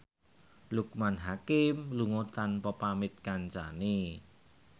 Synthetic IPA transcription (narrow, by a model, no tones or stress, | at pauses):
lukmanɦakɪmluŋot̪anpɔpamɪt̪̚kaɲt͡ʃane